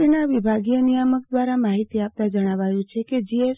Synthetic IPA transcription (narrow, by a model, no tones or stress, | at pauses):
enaʋibʱaɡijənijəmək̚d̪ʋaɾamaɦit̪iap̚t̪ad͡ʒəɽ̃aʋajũt͡ʃʰeked͡ʒie